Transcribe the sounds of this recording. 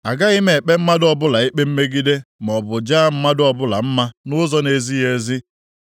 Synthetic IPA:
a˨ɡa˦ɪ˦me˨k͡pe˦m̩˦ma˦dɔ˦bʊ˦la˨i˦k͡pe˦m̩˦me˦ɡi˦de˦m˨ɔ˨bʊ˨d͡ʒaː˦m̩˦ma˦dɔ˦bʊ˦la˨m̩˦ma˦nʊ˦zɔ˦ne˨zi˦je˨zi˦

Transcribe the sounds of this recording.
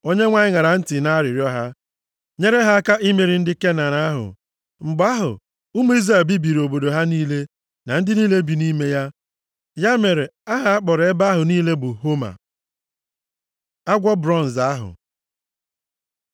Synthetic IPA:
o˦ɲe˦ŋʷa˦ɲɪ˦ŋa˨ɾa˨n̩˦tɪ˨na˦ɾɪ˨ɾjɔ˦ɦa˦ | ɲe˦ɾe˦ɦa˦a˦ka˦i˦me˨ɾi˨n̩˦dɪ˦ke˦na˨ɾa˨˦a˦ɦʊ̰˨ | ŋ͡m̩˨ɡ͡ba˦ɦʊ̰˨ | u˦m˦i˦zɾa˨lbi˦bi˨ɾo˨bo˨do˨ɦa˦niː˦le˦ | na˨n̩˦dɪ˦niː˦le˦bi˨ni˦me˦ja˦ | ja˦me˨ɾe˨a˦ɦa˨a˦k͡pɔ˨ɾe˦ba˦ɦʊ˨niː˦le˦bʊ˨ɦo˦ma̰˨ | a˦ɡʷɔ˦bɾɔ˦˨n̩˨za˦ɦʊ̰˨

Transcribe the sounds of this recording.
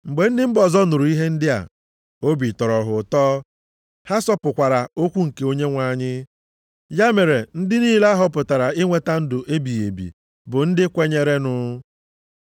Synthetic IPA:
ŋ͡m̩˨ɡ͡be˨n̩˦dɪ˦m̩˦bɔ˨zɔ˦nʊ˨ɾu˨i˦ɦe˦n̩˦dɪ˦a̰˨ | o˦bi˨tɔ˨ɾɔ˨ɦʊ˨tɔː˦ | ha˦sɔ˦pʊ˨kʷa˨ɾa˨o˦kʷu˦ŋ̩˨ke˨o˦ɲe˦ŋʷa˨ɲɪ˦ | ja˦me˨ɾe˨n̩˦dɪ˦niː˦la˦ɦɔ˨˦pʊ˨ta˨ɾa˨ɪ˦ŋʷe˦ta˦n̩˦dʊ˨ʔe˦bi˨e˨bḭ˨ | bʊ˨n̩˦dɪ˦kʷe˦ɲe˦ɾe˦nʊ˦

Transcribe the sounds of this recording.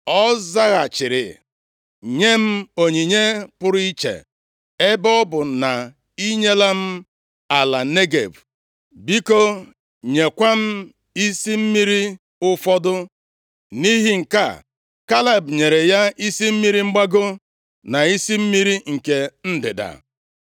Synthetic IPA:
ɔ˦za˦ɣa˨t͡ʃɪ˨ɾɪ̰˨ | ɲe˦m̩˦o˨ɲi˨ɲe˦pʊ˦ɾi˦t͡ʃḛ˨ | e˦bɔ˦bʊ˨na˨ | i˦ɲe˦la˦m̩˦ | a˨la˨ne˦ɡḛ˨b | bi˦ko˦ | ɲe˨kʷa˦m̩˦ | i˦si˦m̩˦mi˦ɾi˦ | ʊ˦fɔ˦dʊ˦ | ni˦ɦi˦ŋ̩˨ka̰˦˨ | ka˦le˨bɲe˨ɾe˨ja˦i˦si˦m̩˦mi˦ɾi˦ŋ͡m̩˦ɡ͡ba˦ɡʊ˦ | na˨i˦si˦m̩˦mi˦ɾi˦ŋ̩˨ke˨n̩˦dɪ̰˨da̰˨

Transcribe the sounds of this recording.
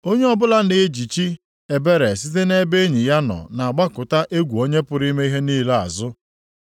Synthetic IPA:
o˦ɲe˦ɔ˦˨bʊ˦la˦nɪ˨˦d͡ʒi˨t͡ʃi˦ | e˨be˦ɾe˨s̬i˦t̬e˦ne˦be˦ɲi˨ja˦nɔ̰˨na˨a˨ɡ͡ba˦kʊ˨ta˦ʔe˦ɡʷu˨o˦ɲe˦pʊ˨ɾi˦me˦i˦ɦe˦niː˦la̰˨zʊ˦

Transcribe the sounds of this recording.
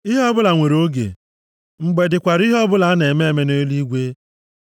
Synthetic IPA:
i˦ɦɔ˦bʊ˦la˨ŋʷe˨ɾo˦ɡḛ˨ | ŋ͡m̩˨ɡ͡be˨dɪ˨kʷa˨ɾi˦ɦɔ˦bʊ˦la˨a˦ne˨me˦e˦˨me˦ne˦li˦ɡʷe˦

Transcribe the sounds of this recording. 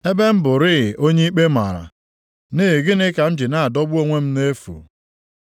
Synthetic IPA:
e˦be˦m̩˦bʊ˨ɾɪ˦˨ʔo˦ɲe˦i˦k͡pe˦ma̰˨ɾa̰˨ | nɪ˦˨ɡɪ˦nɪ˦ka˨n̩˦d͡ʒɪ˨na˦a˨dɔ˦bu˦o˦ŋʷe˦m̩˦ne˦fṵ˨

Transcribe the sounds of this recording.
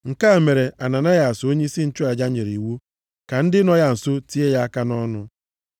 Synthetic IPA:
ŋ̩˨ka˦˨me˨ɾe˨ʔa˨na˨na˦ja˨so˦ɲe˦i˦si˦n̩˦t͡ʃʊ˦a˨d͡ʒa˦ɲe˨ɾi˨wu˦ | ka˨n̩˦dɪ˦nɔ˦ja˦n̩˨so˦ti˦e˦ja˦a˦ka˦nɔ˦nʊ˨

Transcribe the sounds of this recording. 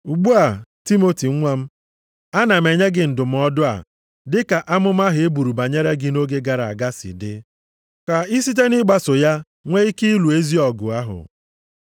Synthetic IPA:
u˨ɡ͡bu˦a˨ti˦mo˦ti˨ŋ̩˦ŋʷa˦m̩˦ | a˦na˨m̩e˨ɲe˦ɡɪ˨n̩˨dʊ˨m̩˨˦ɔ˦dʊ˦a̰˨ | dɪ˦ka˨ʔa˦mʊ˦m̩˦a˦ɦʊ˨e˦bu˨ɾu˨ba˨ɲe˦ɾe˦ɡɪ˨no˦ɡe˦ɡa˨ɾa˨a̰˨ɡa˦sɪ̰˨dɪ˦ | ka˨i˦si˦t̬e˦nɪ˦ɡ͡ba˨sʊ˨ja˦ | ŋʷe˦i˦ki˦i˦lu˨e˦zi˦ɔ˨ɡʊ̰˨a˦ɦʊ̰˨

